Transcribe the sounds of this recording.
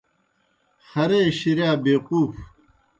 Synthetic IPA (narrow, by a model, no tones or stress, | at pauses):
xɐɾeːɕiɾjaːbeːquːf